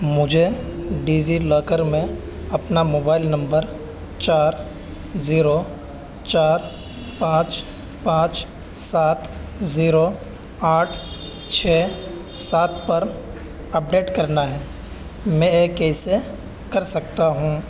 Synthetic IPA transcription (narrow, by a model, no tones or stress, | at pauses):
mʊd͡ʒʱeɖiːd͡ʒiləːkəɾmẽ | ɐpnamoːbaːɪlnɐ̃mbəɾ | t͡ʃaːɾ | ziːɾo | t͡ʃaːɾ | pãːt͡ʃ | pãːt͡ʃ | saːt̪ʰziːɾo | aːʈʰ | t͡ʃʰɛː | saːt̪̚ʰpɐɾ | ɐp̚ɖeːʈkɐɾnaɦɛː | mɛ̃eːkɛːse | kɐɾsɐk̚t̪aɦũ